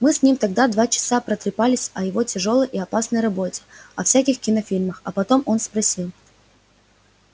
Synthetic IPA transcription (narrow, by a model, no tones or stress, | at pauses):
mɨsʲnʲimt̪ɐɡd̪ad̪vat͡ɕɪ̥sapɾət̪ɾʲɪpalʲɪsʲɐjɪvo̞tʲɪʐo̞lˠəjʔiɐpasnəjrɐbo̞tʲɪ̥ɐfsʲækʲɪxkʲɪnɐfʲilʲməxɐpɐt̪o̞mʔo̞n̪spɾɐsʲilˠ